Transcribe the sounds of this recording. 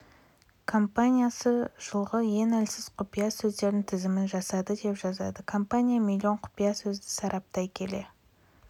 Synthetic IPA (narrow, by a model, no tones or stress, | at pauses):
kʰo̞mpanʲijasəʒ̥əlˠʁəje̞nælsɪz̥qʰʊpijasɵzd̪e̞ɾd̪ɪŋt̪ʰɪzɪmɪnʒɑsɑd̪əd̪e̞pʒɑzɑ̰d̪əkʰo̞mpanʲijamilʲˠːio̞ɴqʰʊ̥pijasɵzd̪ɪsɑɾʔɑp̚t̪ɑjkʲʰe̞le̞